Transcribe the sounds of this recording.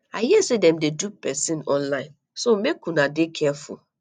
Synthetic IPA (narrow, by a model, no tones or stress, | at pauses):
aɪɦisedɛ̃mdedupɛsĩnɔ̃nlãɪ̃n | somekũnadekʰɛfṵl